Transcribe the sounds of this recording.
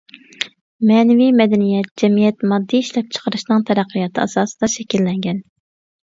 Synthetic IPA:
mɛːnɪvijmɛd̪ɛnijɛt̪̚d͡ʒɛmijɛt̪mɑd̪ːiiʃlɛp̚t͡ʃʰə̥qəɾɨʃnɨŋt̪ʰɛɾæqʰːəjɑt̪ʰɨɑsɑːsɨ̥d̪̥ɑʃɛkʲilːɛŋɡʲɛn

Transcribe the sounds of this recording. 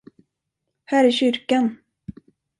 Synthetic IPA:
hæːɾæɕʏɾkan

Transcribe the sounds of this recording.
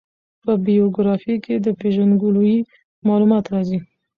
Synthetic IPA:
pəbijoɡɾɑfiked̪əpeʒənɡului | mɑːlumɑt̪ɾɑzi

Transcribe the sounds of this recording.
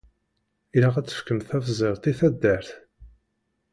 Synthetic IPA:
iɾaʁæt͡sːə̥fkːəmθæfzˤeʁt̪ˤiθæd̪ːæɾθ

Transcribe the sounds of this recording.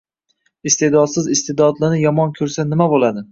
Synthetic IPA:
ɪst̪ʰed̪ɒd̪sɪzɪst̪ed̪ɒd̪lɪnɪjɒmɒnkʲʰɵɾsanɪmabolˠad̪ɪ

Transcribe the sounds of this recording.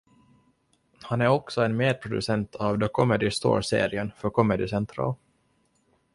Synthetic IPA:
hanæɾɔksɔɛnmeːd̪̚pʰɾʊd̪ɵsɛnt̪ʰɑvd̪ɔkʰɔmɛd̪ɪst̪o̰ːɾsḛːɾɪənfœɾkʰɔmɛd̪ɪsɛnt̪ʰɾɑ̰ːl

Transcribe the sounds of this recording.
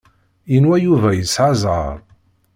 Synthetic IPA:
jənwæjuvæjəsʕazˤʁə̰ɾˤ

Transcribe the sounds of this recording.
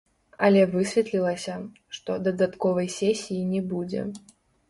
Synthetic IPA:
ɐ̰lʲɛvɨsʲvʲɛt̪lʲilˠɐsʲɐ | ʂt̪ɔd̪ɐd̪at̪kɔvɐjsʲɛsʲijinʲɛbud͡zʲɛ̰

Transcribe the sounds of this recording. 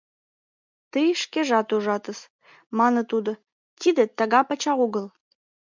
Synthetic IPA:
t̪ɨiʃkʲeʒɑt̪uʒɑt̪əs | mɑnət̪ud̪ə | t̪ʰid̪ət̪ːaɡɑpɐt͡ʃɑʁuɡəl

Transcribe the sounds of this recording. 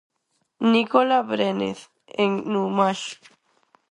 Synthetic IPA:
nikolabɾenḛθ | eŋnumaʃ

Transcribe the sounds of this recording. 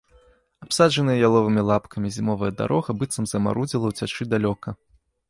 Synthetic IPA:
apsad͡ʐɐnɨjɐjalˠɔvɨmʲilˠapkʰɐmʲizʲimɔvɐjɐd̪a̰ɾʔɔɣɐbɨt̪sɐmzɐma̰ɾud͡zʲilˠɐwt͡sʲat͡ʂɨd̪alʲɔkɐ

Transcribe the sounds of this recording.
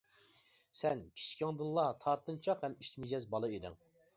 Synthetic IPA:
sɛnkʲʰi̥t͡ʃʰkʲɪŋd̪ɨnlˠɑt̪ʰɑɾt̪ʰɨnt͡ʃʰɑqhɛmiʃt͡ʃmid͡ʒɛzbɑlˠɑid̪ɪ̰ŋ

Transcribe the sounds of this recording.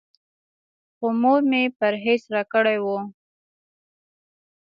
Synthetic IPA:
xomoɾmepaɾɦesɾɑkəɽajwo

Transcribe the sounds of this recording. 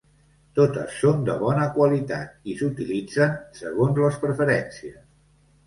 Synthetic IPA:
t̪ot̪ə̰sːond̪ə̰βɔnəkwəlit̪a̰t̪̚isut̪ilid͡zənsəɣ̞onzləspɾəfəɾɛnsiəs

